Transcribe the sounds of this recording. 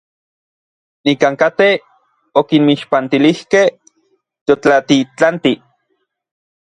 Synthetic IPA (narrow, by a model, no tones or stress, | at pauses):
nikaŋkat̪e | okinmiʃpant̪ilihkeh | t̪jot͡ɬat̪it͡ɬant̪i